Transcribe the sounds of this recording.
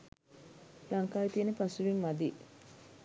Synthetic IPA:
lɐŋkaːjet̪iənepasuʋiŋmɐd̪i

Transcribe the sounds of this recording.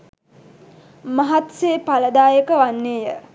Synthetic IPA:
maɦat̪seːpaləd̪aːjəkəʋanːeːjə

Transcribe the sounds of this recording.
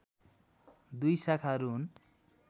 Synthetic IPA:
d̪ujsakʰaɾun

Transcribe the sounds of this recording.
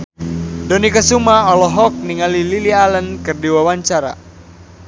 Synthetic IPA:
dɔnikasumaɔlɔɦɔk̚niŋalililialənkɨrdiwawaɲt͡ʃaɾa̰

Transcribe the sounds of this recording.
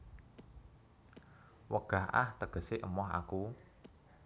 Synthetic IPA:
wəɡ̥a̤hʔa̰ht̪əɡ̥ə̤seʔəmɔɦa̰ku

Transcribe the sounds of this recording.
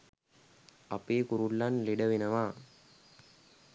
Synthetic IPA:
ɐpeːkuɾuɭːɐnliɖɐʋinɐʋaː

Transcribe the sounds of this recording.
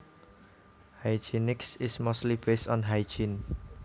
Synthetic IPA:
haɪd͡ʒinɪksɪsmostlibestɔ̃nɦaɪd͡ʒin

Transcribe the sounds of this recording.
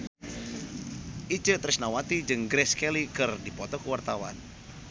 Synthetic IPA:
ʔit͡ʃət̪ɾɪsnawat̪id͡ʒɨŋɡɾɛskɛlikɨrdipɔt̪ɔkuwart̪awa̰n

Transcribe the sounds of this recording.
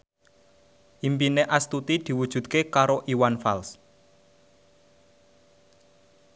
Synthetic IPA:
ʔimpineʔast̪ut̪id̪̥i̤wud̥ʒ̥ṳt̪̚kekaɾoʔiwanfals

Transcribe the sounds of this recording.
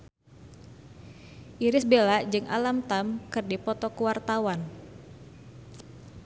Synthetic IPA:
ʔiɾɪsbelad͡ʒɨŋʔa̰lamt̪amkɨrdipɔt̪ɔkuwart̪awan

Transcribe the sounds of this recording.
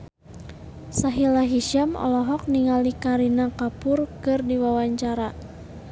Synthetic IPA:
saɦilaɦiʃamɔ̰lɔɦɔk̚niŋalikaɾinakapʊrkɨrdiwawaɲt͡ʃaɾa

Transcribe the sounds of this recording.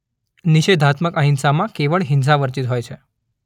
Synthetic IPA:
niɕed̪ʱat̪məkəɦinsamãkeʋəɭɦins̬aʋəɾt͡ɕit̪ɦojt͡ɕʰe

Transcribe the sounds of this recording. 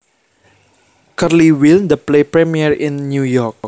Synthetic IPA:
kərliwilnd̪əplepɾɛmiərɪ̃nːjujɔrk̚

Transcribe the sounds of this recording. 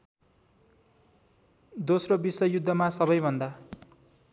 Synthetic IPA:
d̪osrobisʌjud̪ʱːʌmasʌβʌjbʱʌnd̪a

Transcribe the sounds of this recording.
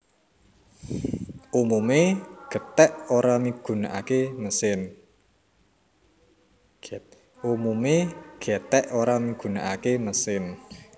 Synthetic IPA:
umumeɡ̥ə̤t̪ɛʔoɾamiɡ̥ṳnaʔakeməsɪn | umumeɡ̥ɛ̤t̪ɛʔoɾamiɡ̥ṳnaʔakeməsɪn

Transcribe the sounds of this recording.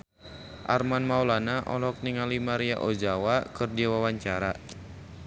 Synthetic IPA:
ʔa̰rmanmaulanaʔɔ̰lɔk̚niŋalimaɾia̰ʔɔd͡ʒawakɨrdiawawaɲt͡ʃaɾa

